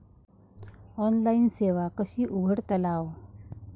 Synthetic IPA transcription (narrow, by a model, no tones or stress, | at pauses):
ɔnlainseʋakəɕiːʔubʱəɽt̪əlaʋ